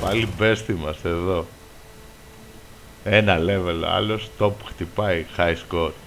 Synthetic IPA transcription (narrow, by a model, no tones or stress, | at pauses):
pɐlibe̞st̪imɐse̞ðo̞ | e̞nɐle̞velo̰ɐ̰lo̞st̪o̞pu̥xt̪ipɐixɐjskot̪